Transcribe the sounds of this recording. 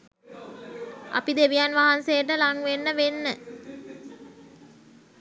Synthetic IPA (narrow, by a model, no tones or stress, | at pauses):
ʔɐ̰pid̪eʋijanʋaɦansejəʈəlaŋʋenːəʋenːə